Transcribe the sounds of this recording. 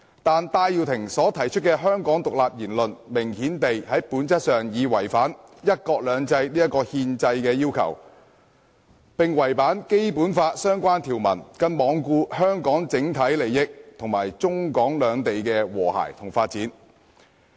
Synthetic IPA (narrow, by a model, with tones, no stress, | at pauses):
t̪aː˨nt̪aː˧jji˨˧wt̪ʰɪ˨˩ŋsɔː˨˥t̪ʰɐ˨˩jt͡ʃʰɵ˥t̚kɛː˧ɦœː˥ŋkɔː˨˥ŋt̪ʊ˨k̚laː˨p̚jiː˨˩nlɵ˨nmɪ˨˩ŋhiː˨˥nt̪e˨jhɐ˨˥jpuː˨˥nt͡sɐ˥t̚sœː˨ŋjiː˨˧wɐ˨˩jfaː˨˥njɐ˥t̚kɔː˧k̚lœː˨˧ŋt͡sɐ˧jliː˥jɐ˥tkɔː˧hiː˧nt͡sɐ˧jkɛː˧jiː˥wkʰɐ̰˨˩w | pɪ˨ŋwɐ˨˩jpaː˨˥nke˥jpuː˨˥nfaː˧t̚sœː˥ŋkʷaː˥nt̪ʰiː˨˩wmɐ̰˨˩nkɐ˧nmɔː˨˧ŋkuː˧hœː˥ŋkɔː˨˥ŋt͡sɪ˨˥ŋt̪ʰɐ˨˥jle˨˩jːɪ˥k̚t̪ʰʊ˨˩ŋmaː˨˩jt͡sʊ˥ŋkɔː˨˥ŋlœː˨˧ŋt̪e˨jkɛː˧wɔː˨˩ha̰ː˨˩jt̪ʰʊ˨˩ŋfaː˧t̚t͡siː˨˥n